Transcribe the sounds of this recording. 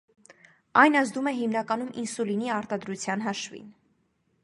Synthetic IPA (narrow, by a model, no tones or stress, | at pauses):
ɑjnɑzd̪umɛɦimnɑkɑnumʔinsuliniɑɾt̪ɑd̪ɾut͡sʰjɑnɦɑʃvḭn